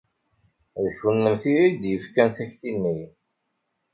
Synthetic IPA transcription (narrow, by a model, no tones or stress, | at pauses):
ðəθwənːəmθiɾid̪jəfkænθæçθinːi